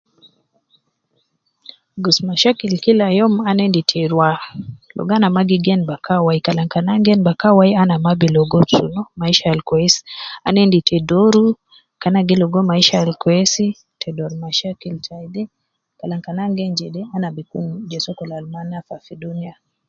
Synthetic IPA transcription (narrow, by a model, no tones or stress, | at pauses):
ɡɔsmaʃakilkilajɔmanɛnditʰɛɾwalɔ̰ɡanamaɡiɡɛnbakawaikalaŋkanaŋɡɛnbakawajanamabilɔɡɔsunɔmaiʃaalkɔɛsanɛnditʰɛdɔɾu | kanaɡilɔɡɔmaiʃaalkɔɛsi | tʰɛdɔɾmaʃakiltʰajdɛ | kalaŋkanaŋɡɛnd͡ʒɛdɛanabikṵnd͡ʒɛsɔkɔlalmanafafidunia